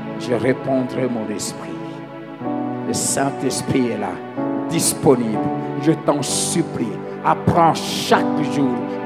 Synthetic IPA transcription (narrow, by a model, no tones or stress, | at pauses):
ʒəʁepɔ̃d̪ʁɛmɔ̃nɛspχi | ləsɛ̃t̪ɛspχiɛla̰ | d̪ispɔniblʒət̪ɑ̃sypli | apχɑ̃ʃakʒuːʁ